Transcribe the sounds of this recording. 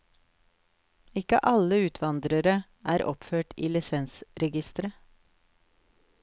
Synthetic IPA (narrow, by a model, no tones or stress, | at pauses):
ɪkəʔɑləʉːt̪ʰʋɑnd̪ɾəɾə | ʔæːɾʔɔ̰pføːʈḭːlɪsɛnsɾɛɡɪst̪əɾə